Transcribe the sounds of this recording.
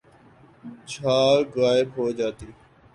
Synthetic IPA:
t͡ʃʰaːɣaːɪbɦoːd͡ʒaːt̪iː

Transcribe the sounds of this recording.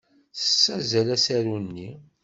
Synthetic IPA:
θə̥sːæzælæsæɾunːi

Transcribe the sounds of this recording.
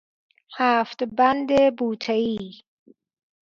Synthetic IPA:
hæːft̪bænd̪ebuːt̪ʰeiː

